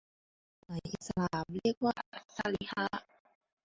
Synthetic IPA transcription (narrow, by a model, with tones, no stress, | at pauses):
na˨˦jʔi˨˩t̪̚sa˧laː˩˦mɾi˥˩ək̚waː˥˩sa˧li˧ha˦˥ʔ